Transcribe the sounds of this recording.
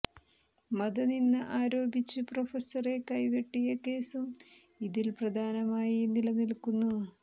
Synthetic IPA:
mɐd̪ɐninːɨʔaːɾo̞ːbit͡ɕːɨprofɐsɐre̞kɐjʋeʈːijɐke̞ːsum | iðilprɐd̪ʱaːnɐmaːjinilɐnilkunːu

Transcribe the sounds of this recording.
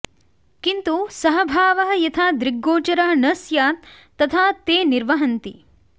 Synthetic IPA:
kint̪usɐɦɐbʱaːʋɐɦɐ̆jɐt̪ʰaːd̪ɾiɡːoːt͡ʃɐɾaːɐnɐsjaːt̪ː | ɐt̪ʰaːt̪eːniɾʋɐɦɐnt̪i

